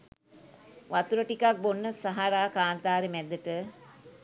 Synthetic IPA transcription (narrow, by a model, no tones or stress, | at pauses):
ʋat̪uɾəʈikak̚bonːəsaɦaɾaːkaːnt̪aːɾemɛd̪əʈə